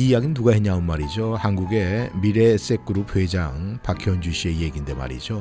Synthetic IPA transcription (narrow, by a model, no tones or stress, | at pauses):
ijaɡinuɡaɦeɲaunmaɾid͡ʑohanɡuɡe̞miɾe̞ːs͈ek͈ɯɾup̚ʰwe̞d͡ʑaŋpakʰjʌnd͡ʑuɕʰie̞jeɡinde̞ma̰ɾḭd͡ʑo